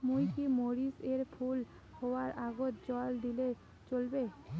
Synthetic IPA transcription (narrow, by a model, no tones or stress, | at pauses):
mujkimoɾiseɾpʰul | howaɾʔaɡot̪̚d͡ʑɔld̪ile | t͡ɕolbe